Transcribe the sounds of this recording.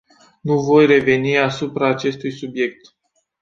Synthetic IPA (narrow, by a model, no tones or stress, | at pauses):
nuvo̞jre̞ve̞niasupɾaːt͡ʃe̞st̪ujsubje̞k̚t̪